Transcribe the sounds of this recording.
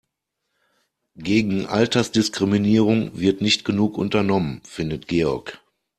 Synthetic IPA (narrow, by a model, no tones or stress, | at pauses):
ɡ̥eːɡŋ̩ʔa̰ltɐsd̥ɪskʁ̥iminiːʁ̞ʊŋvɪɐtnɪçtɡ̥ənuːkʔʊntɐnɔmənfɪndətɡ̥eːɔɐk